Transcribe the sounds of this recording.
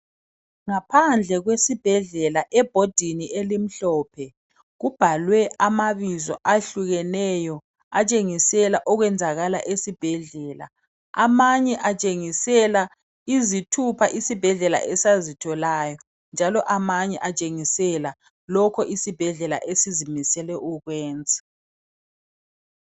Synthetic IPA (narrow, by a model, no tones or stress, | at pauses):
ŋapʰand͡ɮʱɛɣwesib̥ʱɛɮɛlaʔɛb̥ʱod̥ʱiniʔelim̩ɬɔːpʰɛ | ɣub̥ʱalwɛʔamaβizɔ̰ʔaɬuɣɛnɛjɔ | at͡ʃʼeŋisɛlaʔɔɣwɛnd͡zʱaɣalaʔesib̥ʱɛɮɛːla̰ | amaɲɛʔat͡ʃʼeŋisɛla | izitʰupʰaʔisib̥ʱɛɮɛla̰ʔɛsazitʰɔlaːjɔ | nd͡ʒʱalɔʔamaɲɛʔat͡ʃʼeŋisɛla | lɔkʰɔʔisib̥ʱɛɮɛla̰ʔesizimisɛlɛʔuɣwɛːnd͡zʱḁ